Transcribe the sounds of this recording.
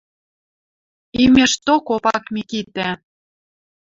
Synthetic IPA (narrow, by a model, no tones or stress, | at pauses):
imĕʃt̪okopɑkmikit̪æ